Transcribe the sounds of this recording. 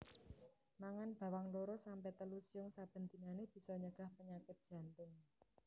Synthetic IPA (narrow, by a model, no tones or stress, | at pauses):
maŋanb̥ä̤waŋloɾosampɛt̪əlusiʊŋsab̥ə̤nd̪i̤naneb̥i̤sɔɲəɡ̥a̤hpəɲakɪt̪̚dʒ̥ä̤nt̪ʊŋ